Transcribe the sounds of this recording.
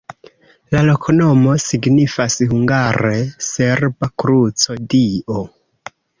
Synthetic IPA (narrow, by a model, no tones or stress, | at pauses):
lalo̞kʰono̞mo̞siɡnifashuŋɡaɾese̞ɾbakɾut͡so̞diʔo